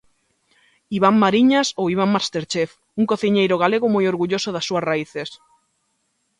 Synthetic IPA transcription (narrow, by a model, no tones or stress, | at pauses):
iβammaɾiɲasowiβ̞aŋmast̪eɾt͡ʃef | uŋkoθiɲejɾoɣ̞aleɣomojoɾɣuʎosoðasːuasraiθes